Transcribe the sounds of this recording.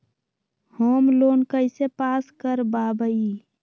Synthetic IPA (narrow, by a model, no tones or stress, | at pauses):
hoːmloːnkəɪsepaskəɾbabəi